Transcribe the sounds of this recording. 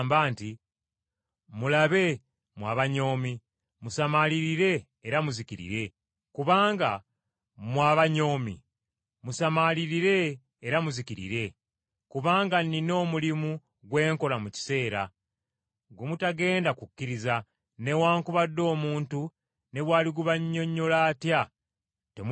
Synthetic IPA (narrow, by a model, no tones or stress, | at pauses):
mbaːnti | mulaβe̞ | mwaβaɲo̞ːmi | musamaliɾiɾe̞ː | ɾamuziciɾḭɾe̞ | kuβaːŋɡa | mwaβaɲo̞ːmḭ | musamaliɾiɾe̞ː | ɾamuziciɾḭɾe̞ | kuβaːŋɡanino̞ːmulimu | ɡwe̞ːŋko̞lamuci̥se̞ːɾa | ɡumutaɡe̞ːndakukːiɾiza | ne̞waːŋkuβadːo̞ːmuːntu | ne̞βwaːliɡuβaɲːo̞ɲːo̞laːtja | tem